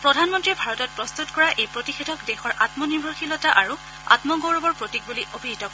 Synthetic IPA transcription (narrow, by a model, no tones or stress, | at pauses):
pɹɔdʱanmɔntɹibʱaɹɔtɔt̚pɹɔst̪utkɔɹaʔejpɹotixedʱɔkdɛxɔɹʔatmɔniɹbʱɔɹxilɔtaʔaɹu | a̰tmɔɡowɹɔbɔɹpɹotik̚buliʔobʱiɦitɔkɔ